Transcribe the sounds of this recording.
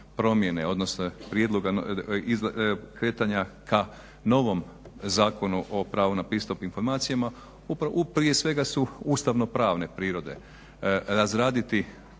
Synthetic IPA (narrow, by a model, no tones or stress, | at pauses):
pɾo̞mje̞ne̞o̞d̪no̞snopɾje̞d̪lˠo̞ɡaizkɾe̞ːt̪aɲakʰa | no̞ʋo̞m | zaːko̞nuʔo̞pɾaːʋunapɾist̪opinfo̞ɾmaːt̪sijama | upɾaupɾije̞sʋe̞ɡasuust̪aʋno̞pɾaːʋnepɾiːɾo̞d̪e̞̰ | ɾazɾaːd̪it̪i